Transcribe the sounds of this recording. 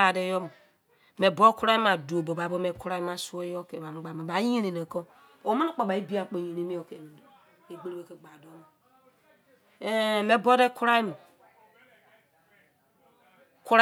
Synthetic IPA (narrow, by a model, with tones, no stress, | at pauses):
a˨dɛ˨jɔ˦mo˨ | me˨bɔ˦ku˦ɾa˦ma˨do˨bo˨ba˨bo˦mɛ˨ku˦ɾa˦i˦ma˨su˦o˦jɔ˦ke˨ba˨mu˦ɡ͡ba˨mã˨ba˨˦i˦ɾi˨ne˨ko˦ | o˨˦me˦ni˦k͡pɔ˨ba˨i˦bi˦a˨k͡po˨jĩ˨ɾe˦mi˦ɔ˨ke˨me˨do˨ | e˨ɡ͡be˦ɾbe˦ke˨ɡ͡ba˨do˦mo˨˦ | me˨bɔ˦dɛ˦ku˦ɾa˦i˦mo˨ | ku˦ɾ